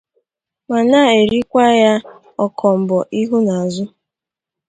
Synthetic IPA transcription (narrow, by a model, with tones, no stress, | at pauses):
ma˨na˦˨e˨ɾi˦kʷa˦ja˦ | ɔ˦kʰɔ˨m̩˨bɔ˨ʔi˦ɦu˦na˨zʊ˦